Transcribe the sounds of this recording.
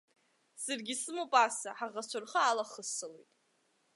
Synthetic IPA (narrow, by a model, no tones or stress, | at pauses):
sarɡʲisɨmupʼasaħaʁat͡ʃʷʰʊrχaalaχəsɨlejtʼ